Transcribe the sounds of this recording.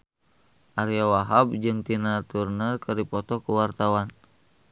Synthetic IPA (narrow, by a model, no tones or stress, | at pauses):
ʔaɾiawaɦab̚d͡ʒɨŋt̪inat̪urnərkɨrdipɔt̪ɔkuwart̪awan